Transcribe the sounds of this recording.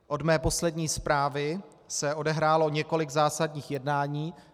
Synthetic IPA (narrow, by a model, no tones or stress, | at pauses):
ʔo̞dmɛːpo̞slɛdɲiːspɾaːvɪ | sɛʔo̞dɛɦɾaːlo̞ɲɛko̞lɪɡzaːsadɲiːxjɛdnaːɲiː